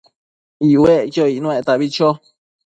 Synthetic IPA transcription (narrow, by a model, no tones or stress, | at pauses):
iwekioinũẽt̪aβit͡ʃo